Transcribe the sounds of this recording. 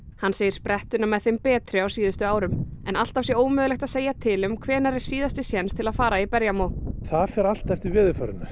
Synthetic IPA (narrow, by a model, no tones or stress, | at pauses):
hanseːjɪɾspɾɛht̪ʏnamɛðθɪmpɛːt̪ɾɪawsiːðʏst̪ʏaːwɾʏmɛnal̥t̪av̥sjɛɾoːwmʏːðʏlɛxt̪aðseːjat̪ʰɪlʏmkʰvɛːnaɾɪɾ̥siːðast̪ɪsjɛnst̪ʰɪlaðfaːɾaipɛɾjamowθaðfɛɾal̥t̪ːɛft̪ɪɾvɪːðʏfœɾɪ̰na